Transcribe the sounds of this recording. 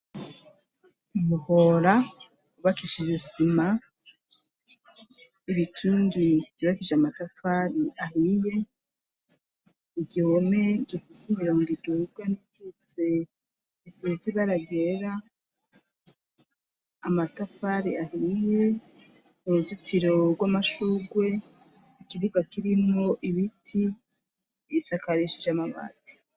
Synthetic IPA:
imuhoɾa | uβakiʃiʒesima | iβitʰiŋɡiɟiβakiʒeamatafaɾiahije̞ | iɡɟiomeɟofisimiɾoːŋɡiduɡwanikit͡se | isiziβaɾaɡeɾa | matafaɾiahije̞ | uɾuzutʰiɾo̞ɡwamaʃuɡwe̞ | ikiβuɡakiɾimŋo̞ʔiβitʰi | sakaɾeʃid͡ʒamaβa̰ti̥

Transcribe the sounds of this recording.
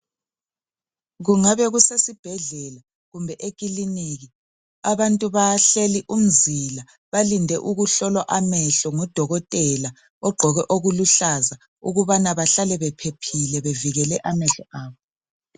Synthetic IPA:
ɣuŋaβɛɣusesib̥ʱɛɮɛla | ɣumbʱɛʔekʼiliniɣi | aβantʼuβaɬeliʔum̩zila | βalindʱɛʔuɣuɬɔlwaʔamɛɬɔŋɔd̥ʱɔɣɔtʼɛla | ɔɡ͡ǃʱɔɣɛʔoɣuluɬaza | uɣuβanaβaɬalɛβɛpʰepʰilɛβeviɣɛlɛʔamɛɬɔaːβɔ

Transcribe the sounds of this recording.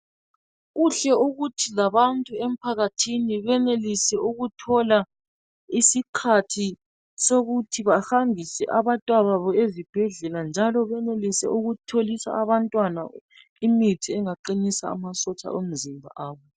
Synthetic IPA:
ɣuɬɛuɣutʰilaβantʼuem̩pʰaɣatʰiniβɛnelisɛuɣutʰɔla | isikʰatʰi | soɣutʰiβahambʱisɛ̰ʔaβatʼwaβaβɔezib̥ʱɛɮɛland͡ʒʱalɔβɛnelisɛ̰ʔuɣutʰolisa̰aβantʼwana̰ | imitʰiɛŋaǃinisa̰a̰masɔt͡ʃʼa̰ʔom̩zimbʱa̰ʔaːβɔ

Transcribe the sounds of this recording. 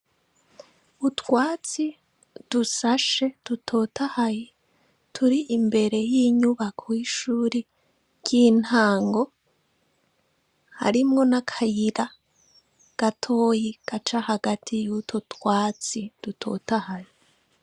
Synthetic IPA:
utwaːt͡si | d̥usaʃe̞d̥utʰo̞tahaje | tʰuɾiʔimbe̞ɾe̞jiɲuβakʰowiʃuːɾe | ɟin̥haːŋɡo̞ | ha̰ɾimŋo̞nakʰajiɾa | ɡ̥atʰo̞ːjiɡ̥at͡ʃahaɡatʰijutʰotwaːt͡sid̥utʰo̰tahaje

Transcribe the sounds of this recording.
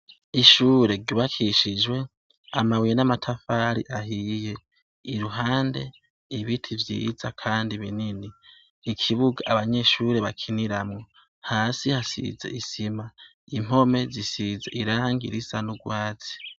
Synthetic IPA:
iʃuːɾe̞ɾɟuːβakʰiʃid͡ʒwe̞ | amawijenamatʰafaːɾḭʔaɦiːje̞ | iɾuɦaːnde̞̰ | iβitʰivjḭzakʰaːndiβininiː | kʰiβuɡaʔaβaɲe̞ʃuɾe̞βakʰiniɾamŋo̞ | haːsihasḭzḛisima | im̥o̞me̞zisizeiɾaːŋɡḭɾisanuɡwaːt͡si̥

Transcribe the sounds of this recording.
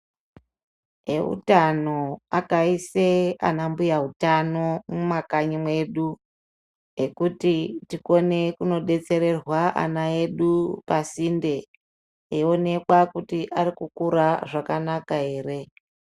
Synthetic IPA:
eṵtano̞akaisea̰nambujaɦutano̞mumakaɲimwe̞ɗu | ekutitiko̞ne̞kuno̞ɗe̞t͡se̞ɾe̞rwaʔa̰nae̞ɗupasinde̞ | eo̞ne̞kwakutiʔaɾikukuɾaʐakanakae̞ːre̞

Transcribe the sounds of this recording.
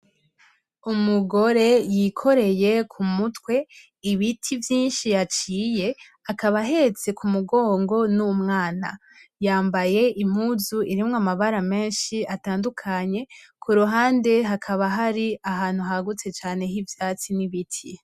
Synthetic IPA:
umuɡo̞ɾe̞jikʰo̞ɾe̞je̞kʰumutwe̞ | iβitʰivjiːnʃijat͡ʃiːje̞ | akaβaɦe̞t͡se̞kumuɡo̞ːŋɡo̞numŋaːna̰ | jaːmbaje̞ʔim̥huːzuiɾimŋamaβaɾame̞ːnʃiataːndukʰaɲe̞kʰuɾuɦaːnde̞ɦakʰaβaɦaɾiaɦaːn̥huɦaɡut͡se̞t͡ʃaːne̞ɦivjaːt͡siniβitʰi

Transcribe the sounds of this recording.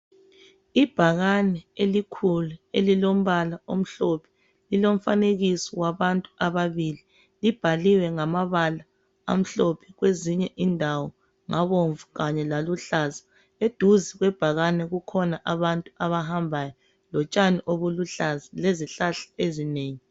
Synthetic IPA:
ib̥ʱaɣanɛelikʰuluelilom̩βalaom̩ɬopʰɛ̥ | lilom̩faneɣisɔwaβantʼuaβaβili | lib̥ʱaliwɛŋamaβala | a̰m̩ɬopʰi̥ɣweziɲɛʔindʱawɔ | ŋaβoɱvuɣaɲɛlaluɬazi̥ | ed̥ʱuziɣwɛb̥ʱaɣanɛɣukʰɔnaʔaβantʼuaβaɦambʱajɔ | lɔt͡ʃʼaniʔoβuluɬazileziɬaɬḁezineːŋi

